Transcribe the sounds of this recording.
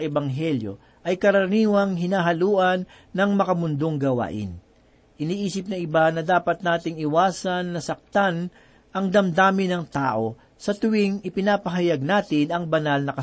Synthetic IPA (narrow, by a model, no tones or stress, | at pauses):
ʔɛbɐŋɦɛljo̞̰ | ʔɐjkɐɾɐniːwɐŋɦɪnaːɦɐluːʔɐnː | ɐŋmɐkɐmʊnd̪o̞ŋɡɐwa̰ːʔɪ̰n | ʔɪniːʔiːsɪpnɐɪbanɐd̪aːpɐt̪̚naːt̪ɪŋɪwaːsɐnːɐsɐk̚t̪an | ʔɐŋd̪ɐmd̪aːmɪnɐŋt̪aːʔo̞ | sɐt̪ʊwɪŋɪpɪnaːpɐɦɐjɐɡ̚naːt̪ɪnɐŋbɐnalnɐkɐ